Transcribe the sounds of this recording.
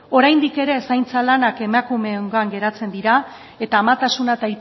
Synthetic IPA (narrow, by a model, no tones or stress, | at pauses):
o̞ɾajnd̪ike̞ɾe̞sajnt͡salanake̞makume̞ŋɡoaŋɡe̞ɾat͡se̞nd̪iɾa | e̞t̪aːmat̪asunat̪ajt̪